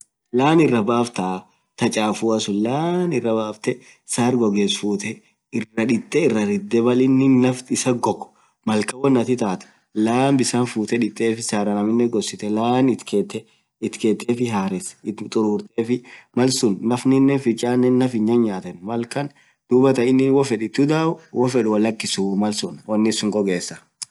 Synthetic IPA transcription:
laːnɪrːɐbaːft̪a | t̪ɐt͡ʃʼaːfuɐsʊlaːnɪrːɐbaːft̪ɛ | saːɾɡɔɡeːsfuːt̪ɛ | ɪrːɐᶑɪt̪ʼːɛɪrːɐɾɪd̪ːɛbɐlɪnːɪːɐftɪsɐɡɔkʼɔ̥ | mɐlkɐwɐnːɐt̪ɪt̪aːt̪ɐ̥ | laːmbɪsaːnfuːt̪ɛᶑɪt̪ʼːeːfɪsaːɾɐnɐmɪnːɛɡɔsːɪt̪ɛlaːnɪt̪ket̪ːɛ | ɪt̪keːt̪ʼːeːfɪɦaːɾɛstt̪ʼʊɾuːɾt̪ʼeːfɪmɐlsʊnːɐfnɪnːɛfɪt͡ʃʼːaːnːɛnːɐfɪɲːɐnɲaːt̪ɛnmɐlkɐn | d̪̥uːbɐt̪ɐɪnːɪwɔfɛᶑɪt̪ːʊd̪aːʊwɔfɛᶑʊwɐlːɐkːɪsʊmɐlsʊnwɐnːɪsʊŋɡɔɡeːsːɐ̥

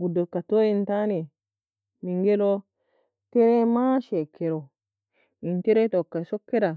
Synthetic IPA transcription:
ɡudɔkːatoːjintanɛ | miŋɡɛlɔ | tɛɾɛmaʃɛkːɛɾɔ | ʔintɛɾɛtɔkːasɔkːɛɾa

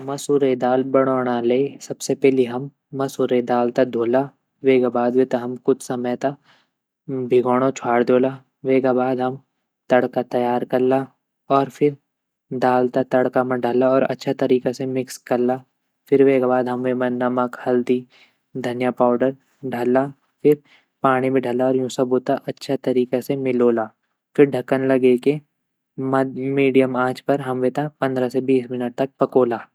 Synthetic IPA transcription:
mɐsuɾed̪aːlbɐɽ̃oːɽ̃aleːsɐbsepɛːliɦɐmː | ɐsuɾed̪aːlt̪ad̪ʱoːla | ʋeːɡabaːd̪ʋit̪ɐɦɐmkʊt͡ʃʰsɐməjt̪a | bʱɪɡɔːɽ̃õt͡ʃʰaːɽd̪oːla | ʋeːɡabaːd̪ɦɐm | t̪ɐɽkat̪ɐjaːɾkɐɾla | ɔːɾfʰɪɾ | d̪aːlt̪at̪ɐɽkamɐ̃ɖʱaːlaɔːɾɐ̰tːʃʰat̪ɐɾiːkesemɪkskɐɾlːa | fɪɾʋeːkbaːd̪ɦɐmʋemɐnəməkhɐld̪i | d̪ʱɐnjapaːʊɖəɾ | ɖʱɐla | fɪɾ | paːɽ̃ibʱiɖʱɐlaɔːɾjũːsɐboːt̪aʔɐtːʃʰat̪ɐɾiːkesemɪloːlaː | fɪɾɖʱɐkənlɐɡeke | mɐmiːɖijəmaːd͡ʒpɐɾɦɐmʋet̪apɐ̃nd̪ɾasebiːsmɪnəʈ̚t̪ɐk̚pɐkoːlaː

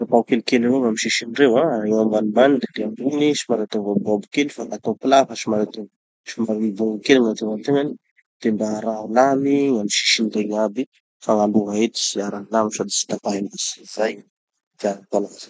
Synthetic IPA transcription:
apawkelikelivomamiʃiʃinirewaewamanimbanid̪ed̪eambunisimaɾat̪eŋbababukelifakat̪opilafaʃimaɾat̪eŋ | simaɾimibuŋukeliŋant̪emant̪eŋani | d̪̥embaːɾalamiŋamiʃi̥ʃind̪eŋabi | faŋaluɦaet̪i̥siaɾanlamisad̪i̥si̥t̪apaenaszaj | d̪̥iaɾak̪alaazḁ

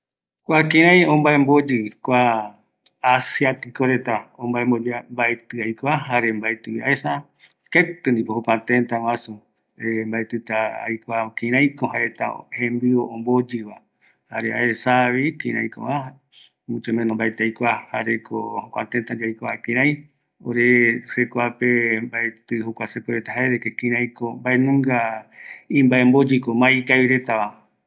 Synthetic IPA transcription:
kʷakĩɾ̃ãj̃õmbaembod͡ʒɨkʷa | asjat̪ikoɾet̪aombaembod͡ʒambaet̪ɨajkʷaɦaɾembaet̪ɨiaesa | ket̪ɨnd̪ipoɦokʷãt̪ẽnt̪awãsu | embaet̪ɨt̪aa̰jkʷakĩɾ̃ãj̃koɦaɾet̪a̰hẽmbioõmbod͡ʒɨβa | haɾea̰esaβikĩɾ̃ã̰j̃ko̰βaa | mut͡ʃemẽnõmbaet̪eajkʷahaɾekʰohokʷa̰t̪ẽnt̪ad͡ʒajkʷakĩɾ̃ãj̃ | o̰ɾesekʷapembaet̪ɨhokʷasepɨɾet̪aɦaeðekekĩɾ̃ãj̃kombaenũŋɡa | ĩmbaembod͡ʒɨkomãikaβiɾe̞t̪aβa

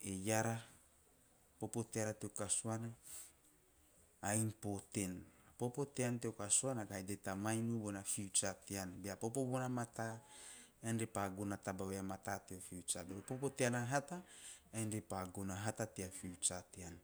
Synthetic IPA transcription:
ejaɾa | popoteaɾat̪eokasuana | ainpot̪enapopo̞t̪eanteokasuanakajdetamajnubonafiut͡ʃateanbeapopobonamat̪a | enɾepaɡonatabaweamat̪ateofiut͡ʃabeɾopopoteanaɦataajnɾepaɡonaɦatateafiut͡ʃatean

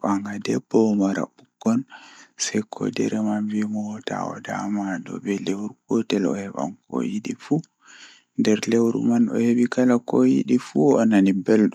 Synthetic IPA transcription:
aŋɡadɛbːɔmaɾa̰buɡɔnsɛjkʰɔ̰dɛɾɛmanvimɔta̰ɔ̰da̰madɔbɛlewɾukɔtɛlɔ̰hɛɓa̰mkɔ̰jiɗifu | ndɛɾlewɾṵmanɔ̰heɓikalakɔjḭɗifuɔnanibɛlɗɔ

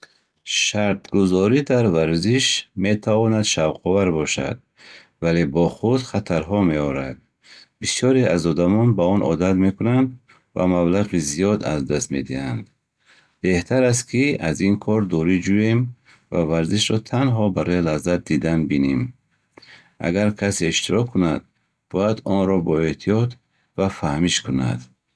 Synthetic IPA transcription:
ʃaɾt̪ɡuzɔɾid̪aɾvaɾziʃme̞t̪ʰavɔnad̪ʃavqʰɔvaɾbɔʃa̰d̪̚ | vale̞bɔχud̪χat̪ʰaɾɦɔme̞ɔɾad̪̚ | bisɔɾeazɔd̪amɔnbaɔnʔɔ̰d̪at̪me̞kunand̪ | va̰mablaʁizijɔd̪a̰zd̪ast̪me̞d̪ihand̪ | b̥e̞ht̪ʰaɾas̬t̪kʰiazinkʰɔɾd̪ɔɾid͡ʒuem | va̰vaɾziʃɾɔt̪ʰanɦɔbaɾɔjilazat̪̚d̪id̪anbinem | ʔa̰ɡaɾkʰaseiʃt̪iɾɔkʰːunad̪̚ | b̥ɔjad̪ɔnɾɔbɔe̞ht̪ʰijɔt̪ | vafahmiʃkʰuna̰d̪

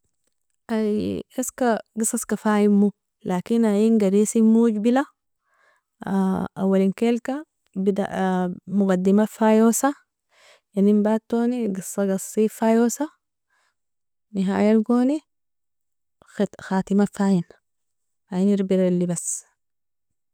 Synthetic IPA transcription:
aeskaɡisˤɑskafaːjimːu | laːkinajinɡaɾisimuɟbila | a̰wːalinkelka | bid̪a̰ʔmuɡad̪ːimafaːjoːsa | janimbaːt̪ːoːniɡisːɑɡasˤifaːjosa | niɦa̰ːjalɡoːni | xaːt̪imafaːjin | hajiniɾbiɾalːibas

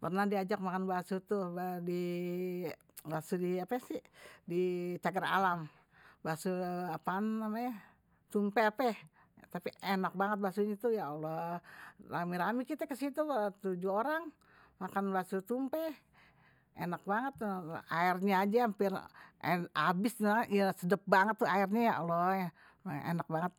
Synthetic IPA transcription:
pərnahdiad͡ʒak̚makanbasut̪ubdi | basudiapɛsihdit͡ʃ̪aɡəra̰lam | basuapanamaɲa | t̪umpɛapɛ | t̪apiʔenak̚baŋət̪̚basuɲat̪ujaolɔ | ramiɾamikit̪akəsit̪ut̪ud͡ʒuoɾaŋ | makanbasut̪umpe | enak̚baŋət̪ːaɪrɲaːd͡ʒaampɪr̰ | abɪsaijasədəp̚baŋət̪ːuairɲajaʔolɔja̰ | ḛnak̚baŋət̪̚

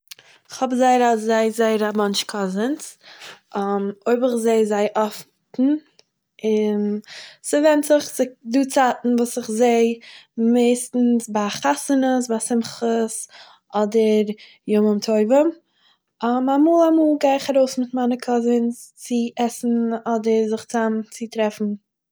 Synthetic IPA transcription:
ɪχhɔbzaɪəɾazaɪzaɪəɾamanʃkʰɔzəns | ɔmoɪbəɪχzeɪzaɪʔɔf | tn̩ | ɪnsɪvɛntzɪχzɪduːt͡satn̩vuːsɪχzeɪmeɪstn̩sbaχasənəsbasɪmχəs | ɔdəɾ | jʊməmtʰoɪvəm | ɔmamuːlˠamuːlˠɡaɪχaɾoʊsmɪtmanəkʰɔzɪnst͡sɪʔɛsn̩ɔdəɾzɪχt͡samt͡sɪtɾɛfn̩

